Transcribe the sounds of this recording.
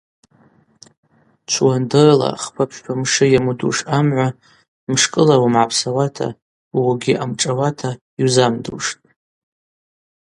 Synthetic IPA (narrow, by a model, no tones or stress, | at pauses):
t͡ʃʷʰwandɨrla̰χpʰapʰʃpʰamʂɨjamudṵʂamʕʷa | mʂkʼɨlawamʕapʰsawatʰa̰ | waɡʲiʔamʈ͡ʂʼawatʰa | iwzamdṵʂtʼ